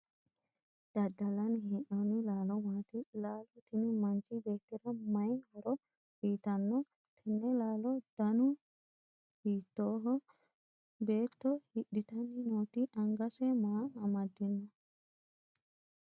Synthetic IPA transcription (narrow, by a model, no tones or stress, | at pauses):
d̪̥ɐd̪ːɐlɐnhɛʔɔnɪlaːlɔmaːt̪ɪlaːlɔt̪ɪnɪmɐnt͡ʃɪbe̞ːt̪ːɪɾɐmɐjnhɔɾɔ | ʔiːt̪ɐnːɔ | t̪ʰɛnːɛlaːlɔd̪̥ɐnʊ | hiːt̪ːoːɦɔ | be̞ːt̪ːɔhiɗɪt̪ɐnːɪnoːt̪ɪʔɐŋɡɐsɛmaːɐmɐd̪ːɪnːɔ